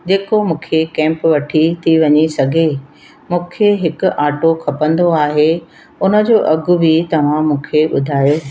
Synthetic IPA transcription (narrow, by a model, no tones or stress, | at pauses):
d͡ʑeːkomũːkʰekɛ̃ːmpʋɐʈʰit̪ʰiʋɐɲisɐɡʱe | mũːkʰeɦɪkʊ̆ʔaːʈokʰɐpə̃nd̪oaːɦe | ʊnə̆d͡ʑoːʔɐɡʱʊ̆bʱit̪ɐʋ̤ãmũːkʰeɓʊd̪ʱaːjoː